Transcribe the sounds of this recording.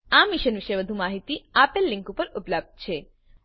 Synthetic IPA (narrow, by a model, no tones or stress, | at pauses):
amiʃənʋiʃeʋəd̪ʱumaɦit̪iapelːĩŋkupəɾupləb̚d̪̚t͡ʃʰe